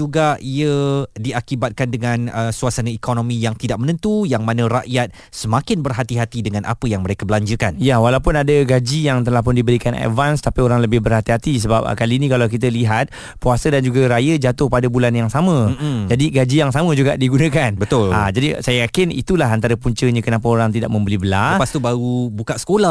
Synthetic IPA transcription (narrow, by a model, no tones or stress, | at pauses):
d͡ʒuɡaʔiədiakibat̪̚kandəŋãnəsuasanə̃ikonõmĩjaŋt̪idaʔ̚mənə̃nt̪ujaŋmanə̃ɾaʔjat̪̚ | səmãkɪnbərɦat̪iɦat̪idəŋãnʔa̰pəjaŋməɾekəbəlaɲd͡ʒəkanjawalawpʊnadəɡad͡ʒijaŋt̪əlahpʊndibəɾikana̰d̚vanst̪apioɾaŋləbɪhbərhat̪iɦat̪is̬əbap̚kaliːnĩkalawk̬it̪̬əliɦat̪̚ | puasədand͡ʒuɡaɾajəd͡ʒat̪ʊhpadabulanjaŋsamə̃d͡ʒadiɡad͡ʒijaŋsamə̃d͡ʒuɡaʔdiɡunə̃kanbət̪ʊla̰d͡ʒadisajajakɪnḭt̪ulaɦant̪aɾəpuɲt͡ʃəɲãkənap̬əoɾaŋt̪idaʔ̚mə̃mbəlibəlapast̪ubaɾubukaʔsə̥kolah